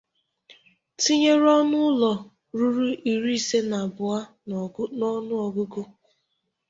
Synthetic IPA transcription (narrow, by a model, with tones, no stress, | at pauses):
ti˦ɲe˦ɾɔ˦nʊ˦lɔ˨ | ɾu˦ɾu˦ʔi˨ɾi˦i˨se˦na˨bʊ˨a˦ | nɔ˦nʊ˦ɔ˨ɡʊ˦ɡʊ˦